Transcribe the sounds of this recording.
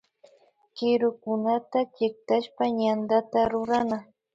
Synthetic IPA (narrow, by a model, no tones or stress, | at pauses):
kɪɾʊkʊnat̪at͡ʃɪk̚t̪aʃpaɲand̪at̪aɾʊɾana